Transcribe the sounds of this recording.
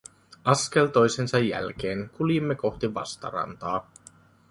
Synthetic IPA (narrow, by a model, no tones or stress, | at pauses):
ɑske̞lt̪o̞jse̞nsɑjːæ̰lk̟e̞ːŋkuljimːeko̞xt̪iʋɑ̰st̪ɑ̰ɾɑ̰nt̪ɑː